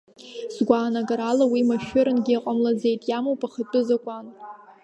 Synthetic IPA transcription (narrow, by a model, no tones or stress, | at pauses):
zɡʷaːnaɡaɾalawimaʃᶣʊɾɨnɡʲɪaqʼamlad͡ze̞jtʼjamowpʼʰaχətʼɨzakʷʼan